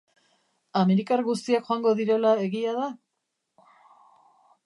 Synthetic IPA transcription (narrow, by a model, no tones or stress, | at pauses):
ame̞ɾikarɡust̪iakxoaŋɡo̞ðiɾe̞lae̞ɣiaða